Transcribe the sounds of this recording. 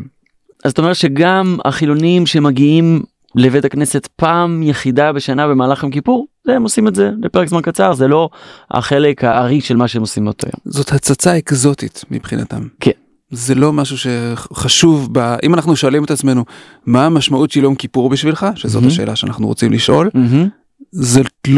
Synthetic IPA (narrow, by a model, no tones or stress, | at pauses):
azot̪ome̞et̪ʃe̞ɡama̰χilo̞nimʃeemaɡiim | levetakne̞se̞tpaːmjeχidabe̞ʃanabe̞maːlaχemk̬ipuʁzeemo̞simetze̞lepeʁekzmankat͡saʁzelo̞a̰χele̞khaːʁiʃe̞lmaʃeemo̞simbeot̪o̰jo̰mzo̞t̪hat͡sat͡saekzo̞t̪it̪mḭpχina̰t̪a̰mkʰen | zelo̞maʃuʃe̞χaʃuvbaʔimanaχnuʃo̞alimet̪at͡sme̞nu | maːmaʃmautʃeljo̞mkipuʁbiʃvilχaʃezot̪aʃe̞̰ːlaʃeanaχnuʁot͡simliʃʔo̞lɦ̩ | zel